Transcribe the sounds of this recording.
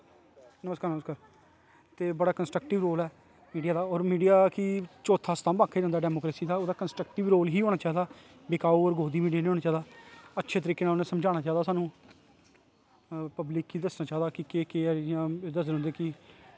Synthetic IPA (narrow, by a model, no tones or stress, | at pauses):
nəməskaːɾnəməskaːɾ | t̪eːbəɽaːkənsʈɾək̚ʈɪʋɾoːlɛː | miːɖijaːd̪aːoːɾmiːɖijaːkɪt͡ʃoːt̪ʰaːst̪ʰãːbãːkʰːeːd͡ʒãːnd̪ːɖɛːmoːkɾeːsiːd̪aːoːd̪aːkənsʈɾək̚ʈɪʋɾoːlɦiːɦoːɽ̃aːt͡ʃaːɦiːd̪aː | bekaːuːɔːɾɡʱoːd̪iːmiːɖijaːnĩːoːnaːt͡ʃaːd̪aːətːʃʰeːt̪əɾiːkeːnaːlonẽːsəmd͡ʒaːnaːt͡ʃaːd̪aːsaːnũː | pəblɪkiːd̪əsnaːt͡ʃaːd̪aːkɪkeːkejãːd̪əsd̪õnd̪eːkɪ